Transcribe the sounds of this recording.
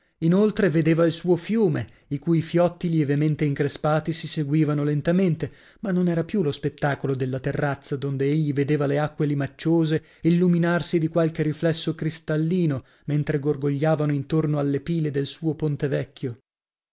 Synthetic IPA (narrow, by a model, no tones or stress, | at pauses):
inolt̪ɾeved̪eːvailsuːofjuːme | ikuːjfjɔt̪ːiljevement̪eiŋkɾespaːt̪isiseɡwiːvanolent̪ament̪e | manːonɛːɾapjulospet̪ːaːkolod̪elːat̪erːat̪sːad̪ond̪eeʎːived̪eːvaleakːwelimat͡ʃːoːze | ilːuminarsid̪ikwalk̟eɾiflɛsːokɾist̪alːiːno | ment̪ɾeɡorɡoʎːaːvanoint̪ornoalːepiːled̪elsuːopont̪evɛkʰʲːjo